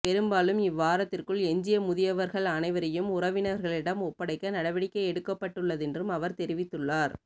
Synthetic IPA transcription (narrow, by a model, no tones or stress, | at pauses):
pɛɾɯmbaːlɯmɪʋːaːɾɐt̪ːɪrkɯɭɛɲd͡ʒɪjɐmʊðɪjɐʋɐɾɣɐɭɐnɐɪʋɐɾɐjɯmʊrɐʋɪnɐɾɣɐɭɪɽɐmɔpːɐɽɐɪkːɐnɐɽɐʋɪɽɪkːɐɛɽɯkːɐpːɐʈːɯɭːɐðɛndrɯmɐʋɐɾt̪ɛɾɪʋɪt̪ːɯɭːaːɾ